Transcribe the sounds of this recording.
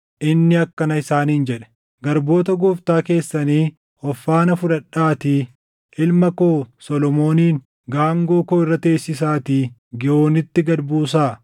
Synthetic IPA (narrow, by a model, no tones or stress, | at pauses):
ʔɪnːɪɐkːɐnɐɪsaːniːnd͡ʒɛᶑɛ̥ | ɡɐɾbo̞ːt̪̬ɐɡʊft̪aːke̞ːsːɐniː | ɔfːaːnɐfʊᶑɐᶑːaːt̪iː | ʔɪlmɐko̞ːsɔlɔmo̞ːniːŋ | ɡaːŋɡo̞ːkoːɪrːɐt̪e̞ːsːɪsaːt̪iːɡɪo̞ːnɪt̪ːɪɡɐɾbuːsaː